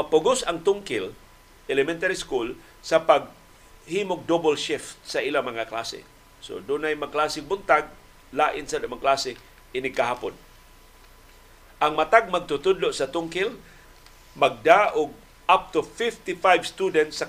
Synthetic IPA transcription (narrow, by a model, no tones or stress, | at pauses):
mapʊɡʊsaŋt̪ʊŋkɪl | ʔɛlɛmɛnt̪aɾiskul | sapaɡ̚ | himʊɡ̚d̪obolʃɪft̪̚saʔilamaŋakla̰sɪ̰ | so̰d̪ʊnajmaɡ̚klasɪŋbʊnt̪aɡ̚ | laːʔɪnsadamaklasɪ | ʔɪnɪkahaːpʊ̰n | ʔaŋmat̪aɡ̚mɐɡ̚t̪ʊt̪ʊd̪loʔsat̪ʊŋkɪl | maɡ̚d̪aʔʊɡ̚ | ʔap̚t̪ʊfɪft̪ɪfajvst̪ud̪ɛnt̪sa